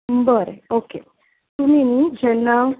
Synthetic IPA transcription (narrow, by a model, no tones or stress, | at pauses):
bəɾeoke | t̪uminid͡ʑɛnːaw